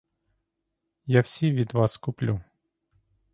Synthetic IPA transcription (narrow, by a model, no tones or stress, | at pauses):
jawsʲiʋʲid̪ʋɑskʊplʲu